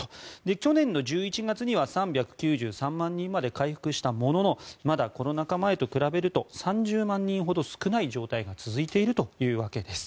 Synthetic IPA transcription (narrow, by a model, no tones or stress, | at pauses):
d̪e̞kʲo̞nẽ̞nːo̞ʑɨːit͡ɕiɡat͡sɨɲ̟iβasãmbʲjakɯ̟̥kʲɨːʑɨːsãmːãɲ̟ːĩmːad̪e̞kaiɸɯ̟̥kɯ̟ɕi̥t̪amo̞no̞no̞mad̪ako̞ɾo̞nakamae̞t̪o̞kɯ̟ɾabe̞ɾɯ̟t̪o̞sãɲ̟d͡ʑɨːmãɲ̟ːĩɰ̃ɦo̞d̪o̞sɨ̥kɯnaiʑo̞ːt̪aiɡat͡sɨzɨit̪e̞iɾɯ̟t̪o̞jɯ̟ːβake̞d̪e̞sɨ̥